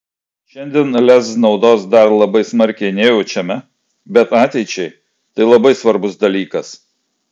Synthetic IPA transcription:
ʃʲɛnʲd̪ʲiɛnlʲɛsnɒʊd̪oːsd̪ɐɾlˠɐbɐɪsmɐɾʲkʲɛɪnʲeːjoːt͡ʃʲɛmʲɛ | bʲɛt̪ɑːt̪ʲɛɪt͡ʃʲɛɪ | t̪ɐɪlˠɐbɐɪsʋɐɾbʊsd̪ɐlʲiːkɐs

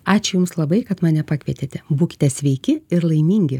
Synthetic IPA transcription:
ɑːt͡ʃʲʊjʊmslˠɐbɐɪkɐt̪mɑːnʲɛpɑːkʋʲiɛt̪ʲeːt̪ʲɛbuːkʲɪ̥t̪ʲɛsʲʋʲɛɪkʲɪɪɾlˠɐɪmʲiːŋʲɡʲɪ

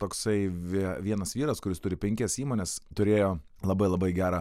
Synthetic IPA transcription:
t̪oːksɐɪʋʲiʋʲiɛnɐsʋʲiːɾɐskʊɾʲɪst̪ʊɾʲɪpʲɛŋʲkʲɛsiːmoːnʲeːst̪ʊɾʲeːjoː | lˠɐbɐɪlˠɐbɐɪɡʲæːɾɐ

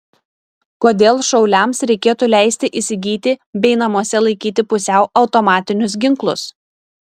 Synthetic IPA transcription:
koːd̪ʲeːlˠʃɒʊlʲɛˑmsɾʲɛɪkʲeːt̪uːlʲæˑɪsʲt̪ʲɪʔɪsʲɪɡʲiːt̪ʲɪbʲɛɪnɐmuɔsʲɛlˠɐɪkʲiːt̪ʲɪpʊsʲɛʊʔɐʊt̪ɔmɑːt̪ʲɪnʲʊs̬ɡʲɪŋklˠʊ̰s

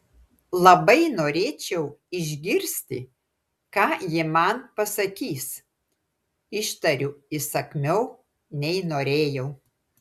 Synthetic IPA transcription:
lˠɐbɐɪnoːɾʲeːt͡ʃʲɛʊɪʒʲɡʲɪɾʲsʲt̪ʲɪ̰ | kɑːjɪmɐnpɐsɐkʲiːs | ɪʃt̪ɐɾʲʊɪsɐkʲmʲɛʊ | nʲɛɪnoːɾʲeːjɛʊ

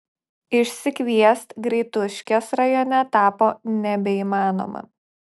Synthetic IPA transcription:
ɪʃʲsʲɪkʋʲiɛst̪ɡɾʲɛɪt̪ʊʃʲkʲɛsɾɐjoːnʲɛt̪ɑːpoːnʲɛbʲɛimɑːno̰ːmɐ̰

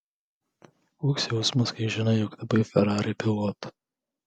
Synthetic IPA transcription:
uːksʲjɛʊsmʊskɐɪʒʲɪnɐɪjɔkt̪ɐbɐɪfʲɛɾɑːɾʲɪpʲɪlˠɔt̪

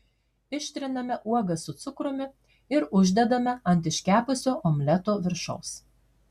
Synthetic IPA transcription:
ɪʃʲt̪ʲɾʲɪnɐmʲɛʔuɔɡɐsʊt̪sʊkɾʊmʲɪ | ɪɾʊʒʲd̪ʲɛd̪ɐmʲɛɐnʲt̪̬ʲɪʃʲkʲæːpʊsʲoːʔɔmʲlʲɛt̪oːʋʲɪɾʃɐʊs

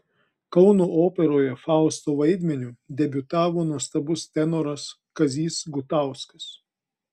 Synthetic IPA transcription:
kɒʊnoːoːpʲɛɾoːjɛfɑˑʊst̪oːʋɐɪd̪ʲmʲɛnʲuːd̪ʲɛbʲʊt̪ɑːʋoːnuɔst̪ɐbʊst̪ʲɛnɔɾɐs | kɐzʲiːsɡʊt̪ɑˑʊskɐ̥s

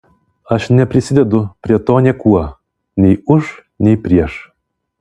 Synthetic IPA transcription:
ɐʃnʲɛpʲɾʲɪsʲɪd̪ʲɛd̪ʊpʲɾʲiɛt̪oːnʲɛkuɔ | nʲɛɪʊʃ | nʲɛɪpʲɾʲiɛʃ

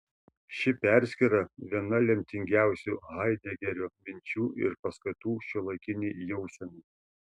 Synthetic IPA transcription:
ʃʲɪpʲæˑɾʲsʲkʲiɾɐʋʲiɛnɐlʲɛmʲt̪ʲɪŋʲɡʲæˑʊsʲuːɣɐɪd̪ʲɛɡʲɛɾʲuːmʲɪnʲt͡ʃʲuːʔɪ̰ɾpɐskɐt̪uːʃʲulˠɐɪkʲɪnʲiːjɛʊsʲɛnu

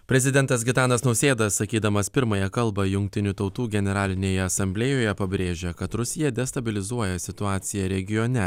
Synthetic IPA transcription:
pʲɾʲɛzʲɪd̪ʲɛnt̪ɐs̬ɡʲɪt̪ɑːnɐsnɒʊsʲeːd̪ɐssɐkʲiːd̪ɐmɐspʲɪɾmɐjɛkɐlˠbɐjʊŋʲk̚ʲt̪ʲɪnʲut̪ɒʊt̪uːɡʲɛnʲɛɾɑːlʲɪnʲeːjɛɐsɐmʲbʲlʲeːjoːjɛpɐbʲɾʲeːʒʲekɐt̪ɾʊsʲɪjɛd̪ʲɛst̪ɐbʲɪlʲɪzuɔjɛsʲɪt̪ʊɑːt̪sʲɪjɛɾʲɛɡʲɪjonʲɛ

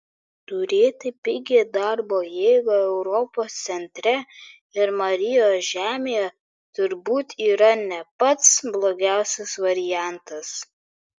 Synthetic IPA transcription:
t̪ʊɾʲeːt̪ʲɐpʲɪɡʲeːd̪ɐɾboːjeːɡoːɛʊɾɔpoːst̪sʲɛnʲt̪ʲɾʲɛ | ɪɾmɐɾʲɪjoːsʒʲæːmʲeːjɛ | t̪ʊɾbuːt̪iːɾɐnʲɛpɐt̪sblˠoːɡʲæˑʊsʲɛsʋɐɾʲɪjæˑnt̪ɐs

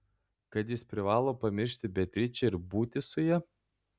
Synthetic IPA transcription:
kɐt̪jɪspʲɾʲɪʋɑːlˠoːpɐmʲɪɾʲʃʲt̪ʲɪbʲɛt̪ʲɾʲɪt͡ʃʲɛɪɾbuːt̪ʲɪsʊjɛɛ

